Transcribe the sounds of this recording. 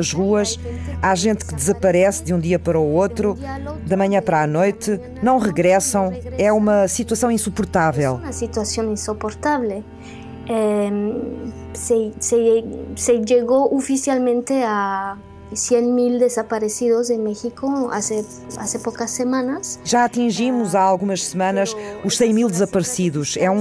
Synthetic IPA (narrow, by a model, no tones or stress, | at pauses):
ɐʒʁuɐʃaʒẽnt̪kɨd̪ɨzɐpɐɾɛsd̪ũd̪iɐpɐɾoot̪ɾud̪ɐmɐ̃ɲɐ̃pɐɾanojt̪ɨ | nɐ̃w̃ʁɨɣɾɛsɐ̃w̃ɛumɐsit̪wɐsɐ̃w̃ĩsupuɾt̪avɛlˠnɐsit̪wasjõnĩnsopoɾt̪aβle | e | seseseʎeɣoʔufisjalmẽnt̪ea | sjenmild̪esapaɾesiðoz̬emexikoa̰se | a̰sepokasːemãnasʒaɐt̪ĩʒimuzaalˠɣumɐʃsɨmɐ̃nɐʃuʃsɐ̃j̃milˠd̪ɨzɐpɐɾsiðuʃɛũ